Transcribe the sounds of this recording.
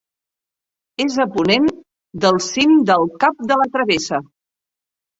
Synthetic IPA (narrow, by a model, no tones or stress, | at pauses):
ezəpunen | d̪əlˠsind̪əlˠkap̚d̪ələt̪ɾəβesə